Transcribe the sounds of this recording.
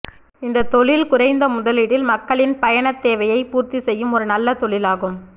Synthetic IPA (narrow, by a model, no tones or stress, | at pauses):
ɪnd̪ɐt̪ɔɭɪlkʊɾɐɪnd̪ɐmʊðɐlɪɽɪlmɐkːɐɭɪnpɐjɐɳɐt̪ːeːʋɐjɐɪpuːɾt̪isɛjːɯmɔɾɯnɐlːɐt̪ɔɭɪlaːɣɯm